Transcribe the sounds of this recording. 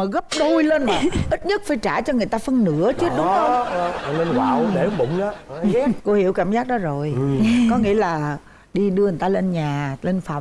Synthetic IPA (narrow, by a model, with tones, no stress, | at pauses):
a˨˩ɣə˦˥p̚ɗo˧jle˧nː˨ʔi˦˥t̚ɲə˦˥t̚faː˧˩jt͡ɕaː˧˩t͡ɕɔ˧ŋɨ˨˩əjt̪aː˧fə˧nnɨ̰˧˥ət͡ɕɨ˦ɗʊ˨˦ə˧˨˧ɔ˨˧ne˧nɣaː˨˩wɗe˧˩˦ɓʊ̰˧˨ŋ͡mʔaː˨˦˨ko˧hi˧˥əwkaː˧˩mzaː˦˥k̚ɗɔ˨˦zo˨˩jkɔ˨˦ŋḭ˧˥əlaː˨˩ | ɗi˧ɗɨ˧ən˨˩jt̪aː˧le˧nɲaː˨˩le˧nfa̰˨˩˨ŋ͡m